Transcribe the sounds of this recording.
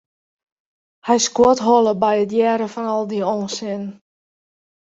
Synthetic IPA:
hɛjskwotɦɔlˠəbɛjətjɛːɾəfɔnɔlˠdioːnsɪn

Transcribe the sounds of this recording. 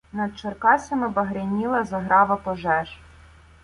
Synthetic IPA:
nɐd̪̚t͡ʃɔrkɑsʲɐmɪbɐɦɾʲɪnʲilˠɐzɐɦɾʔɑʋɐpɔʒɛʒ

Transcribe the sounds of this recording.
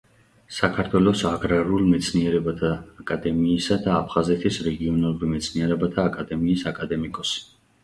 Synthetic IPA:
sakʰaɾt̪ʰwɛlɔsaɡɾaɾulˠmɛt̪sʰniɛɾɛbat̪ʰaːkʼad̪ɛmiːsad̪aːpʰχazɛt̪ʰisɾɛɡiɔnalˠuɾimɛt̪sʰniɛɾɛbat̪ʰaːkʼad̪ɛmiːsakʼad̪ɛmikʼɔs

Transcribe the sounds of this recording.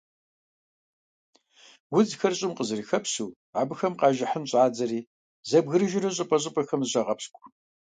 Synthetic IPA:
wʊd͡zxɐrɕʼɪmqəzɨriːxɐpsuː | ʕabɨxɐmqɑːʒɐħənɕʼaːd͡zɐɾiː | zɐbɣɨɾɨʒɪrɐɕʼɐpʼɐɕ̬ʼɪpʼɐxɐmzɕʼɐʁɐpskʷʰʼ

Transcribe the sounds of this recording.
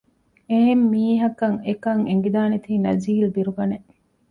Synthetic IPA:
eɦemːiːɦɐkɐŋekɐŋeŋɡid̪aːnet̪iːnɐziːld̪iɾuɡɐne

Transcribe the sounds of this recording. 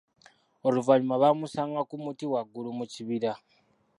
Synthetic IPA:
oluvaɲumaβamusaːŋɡakumutiwaɡːulumuciβiɾa

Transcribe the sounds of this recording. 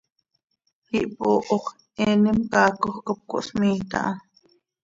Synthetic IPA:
hiʔpoʔoχ | ɛːnimkɑːkoχkop̚kʷo̰ʔsmiːt̪a̰ʔɑ

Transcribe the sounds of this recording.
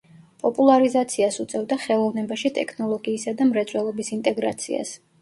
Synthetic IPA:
pʼɔpʼulˠaɾizat̪sʰiasut̪sʼɛvd̪aχɛlˠɔvnɛbaʃit̪ʼɛkʰnɔlˠɔɡiːsad̪amɾɛt̪sʼwɛlˠɔbisint̪ʼɛɡɾa̰t̪sʰḭa̰s

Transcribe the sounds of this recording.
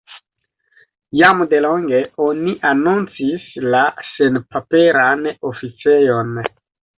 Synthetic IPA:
jamde̞lo̞ŋɡe̞o̞niʔanunt͡sislase̞npape̞ɾanofit͡se̞jo̞n

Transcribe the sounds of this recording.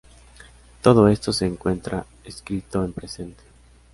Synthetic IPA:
t̪o̞ð̞o̞e̞st̪o̞se̞ːŋkwe̞nt̪ɾa | eskɾit̪o̞empɾe̞se̞nt̪e̥

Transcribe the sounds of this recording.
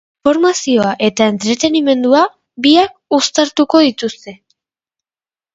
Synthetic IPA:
o̞ɾmasio̞aʔe̞t̪ae̞nt̪ɾe̞t̪e̞nime̞nd̪ua | biak̚ust̪aɾt̪uko̞ðit̪ust̪e̞

